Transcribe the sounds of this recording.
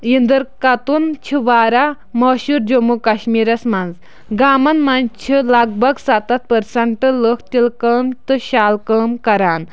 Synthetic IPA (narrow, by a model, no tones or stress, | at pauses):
jind̪ɐɾkat̪unt͡ʃʰiʋaːɾa | mɐːʃuɾd͡ʒomukɐɕmiːɾɐsmanz | ɡaːmɐnmant͡ʃʰilaɡ̚bɐɡsat̪ɐt̪̚pəɾsɐɳʈɨləkʰt̪ilkəmt̪ɨɕaːlkəːmkɐɾaːn